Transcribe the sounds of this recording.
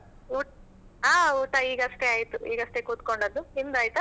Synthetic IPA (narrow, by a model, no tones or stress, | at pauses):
uːʈ | aːuːʈɐiːɡɐst̪e̞aːjt̪uʔḭːɡɐst̪ekuːt̪koɳɖɐd̪ːuind̪aːjt̪u